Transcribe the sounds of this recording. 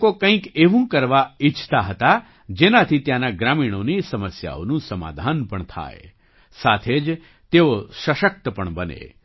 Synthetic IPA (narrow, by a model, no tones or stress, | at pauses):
kokə̃ĩkeʋũkəɾʋait͡ʃʰt̪aɦət̪a | d͡ʒenat̪ʰit̪jãnaɡɾaːmiɽ̃onisəməsja̰o̰nũsəma̰ːd̪ʱanpəɳt̪ʰa̰ːḛ | saːt̪ʰeːd͡ʒ | t̪eoʃəʃək̚t̪əpəɳbənḛ